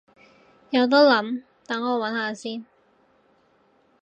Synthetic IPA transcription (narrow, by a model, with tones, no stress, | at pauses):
jɐ˨˧wt̪̬ɔː˥lɐ˨˥m | t̪ɐ˨˥ŋːɔː˨˧wɐ˨˥nhaː˨˧siː˥n